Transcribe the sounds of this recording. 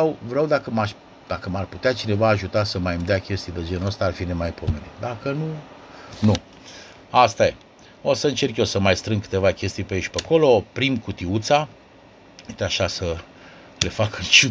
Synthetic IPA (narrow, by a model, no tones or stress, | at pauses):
awvɾeawd̪akəmaʃ | d̪akəmarput̪eat͡ʃine̞vaːʒut̪asəmajɨmd̪eakʲe̞st̪ijd̪ed͡ʒe̞nost̪aːrfinemajpo̞menit̪d̪akənu | nu | ast̪aje | osəɨnt͡ʃe̞rkjosəmajst̪ɾɨŋɡkɨ̥t̪e̞vakʲe̞st̪ijpeeʃpeko̞lo̞pɾimkut̪iut̪sa | et̪eaʃasə | le̞fakɨnt͡ʃu